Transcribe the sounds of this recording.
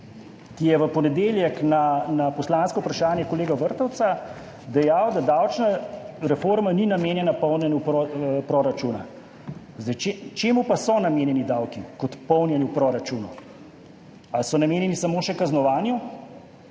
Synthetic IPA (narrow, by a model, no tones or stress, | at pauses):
kijɛʋəpɔnɛd̪eːljɛknanapɔslaːnskɔwpɾaʃaːnjɛkɔleːɡaʋəɾt̪ɔwt̪sa | d̪ɛjawd̪ad̪awt͡ʃnaɾɛfoɾmaninameːnjɛnapɔwnjɛnupopɾoːɾat͡ʃuːna̰ | zd̪ɛt͡ʃet͡ʃeːmupasɔnameːnjɛnid̪aːwkikɔt̪pɔwnjɛniwpɾɔːɾat͡ʃuːnu | asɔnameːnjɛnisamoːʃɛkaznɔʋaːnju